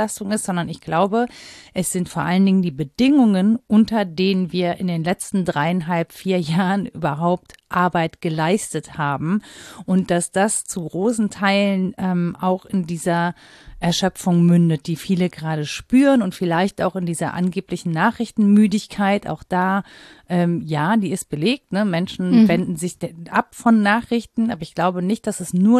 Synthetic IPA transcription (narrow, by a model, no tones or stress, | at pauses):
astʊŋɪstz̥ɔndɐnɪçɡ̥laʊbəʔɛsz̥ɪntfoːɐʔaləndɪŋəndiːbədɪŋʊŋənʔʊntɐdeːnənviːɐʔɪndeːnlɛt͡stn̩dʁaɪanɦalpfiːɐjaːʁənʔy̰ːbɐɦaʊp̚tʔaɐbaɪtɡ̥əlaɪstəthaːbm̩ʔʊnt̚d̥asd̥ast͡suɡʁoːsn̩tʰaɪlənʔɛːmʔaʊxɪndiːzɐ | ʔɛɐʃœfʊŋmʏndət̚d̥iːfiːləɡəʁaːdəʃpyːʁənʊntfɪlaɪçta̰ʊxɪndiːzɐʔa̰nɡeːplɪçn̩naːχʁ̥ɪçtn̩myːdɪçkʰaɪtʔa̰ʊxd̥aː | ʔɛːmjaːdiːɪst̚b̥əleːk̚tnəmɛnʃn̩vɛndn̩zɪçd̥ʔapfɔnːaːχʁ̥ɪçtn̩ʔaːbɐɪçɡ̥laʊbənɪçt̚d̥asɛsnuːɐ